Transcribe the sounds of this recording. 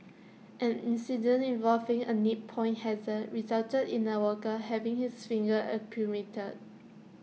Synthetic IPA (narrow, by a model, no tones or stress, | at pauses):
ʔɛ̃nĩnsidə̃nĩnvɔlvĩŋənit̚pʰɔ̃ɪ̃nhɛzəɹizaltədĩnəwəkəɦɛvɪ̃ŋhisfĩŋɡəʔəpʰjumitʰəd̚